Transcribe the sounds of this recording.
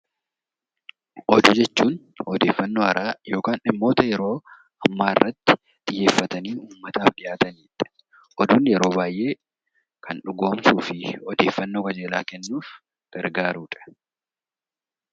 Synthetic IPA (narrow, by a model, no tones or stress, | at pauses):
ʔɔd̪ud͡ʒɛt͡ʃːuːn | hɔd̪e̞ːfːɐnːo̞ːhɐɾʔaːjo̞ːkaːnʔɪmːo̞ːt̪ɐjɛɾo̞ː | ɐmːaːɪrːɐt̪ːɪ̥ | t̪ʼɪjːe̞ːfːɐt̪ɐniːuːmːɐt̪aːfᶑɪjaːt̪ɐniːᶑɛ̥ | ʔɔd̪uːnjɛɾo̞ːbaːjʔe̞ː | kʰɐnᶑʊɡo̞ːmsuːfɪɔd̪e̞ːfːɐnːo̞ːkɐd͡ʒeːlaːkɛnːuːf | ɡ̥ɐɾɡaːɾuːᶑɐ̥